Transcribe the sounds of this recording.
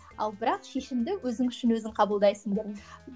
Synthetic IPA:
ɑ̰lˠbɪɾɑqʃe̞ʃɪmd̪ɪwɵzɪŋʏʃɪnwɵzɪɴqʰɑbəlˠd̪ɑjsəŋd̪e

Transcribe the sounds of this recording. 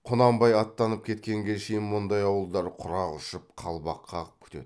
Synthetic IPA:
qʰʊnɑmbɑjɑt̪ːɑnəp̚kʲʰe̞t̪kʲe̞ŋɡʲeʃejɪnmʊnd̪ɑjɑwəlˠd̪ɑɾqʰʊɾɑʁʊʃəp̚qʰɑlˠbɑqʰːɑʁəp̚kʲʰʏ̥t̪ed̪

